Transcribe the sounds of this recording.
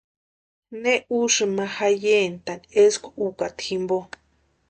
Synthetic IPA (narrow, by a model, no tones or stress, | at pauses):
nẽuʂɨmãhajent̪aneskʷaukat̪ximbo